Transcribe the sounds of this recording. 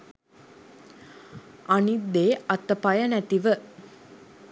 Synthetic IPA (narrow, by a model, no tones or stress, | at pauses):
anit̪ːeːʔat̪ːəpajənæt̪iʋə